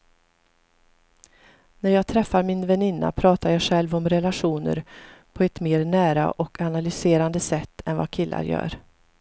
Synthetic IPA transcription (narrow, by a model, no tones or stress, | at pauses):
næɾjɑːɡ̚t̪ʰɾɛfːaɾmɪnvɛnɪnːa̰pʰɾɑːt̪aɾjɑːɧɛlvɔmɾɛlaɧuːnə̰ɾpʰɔɛt̪meːɾnæːɾa̰ʔɔkʰanalʏseːɾand̪əsɛt̪ʰːɛnvakʰɪlːʔa̰ɾjœ̰ːɾ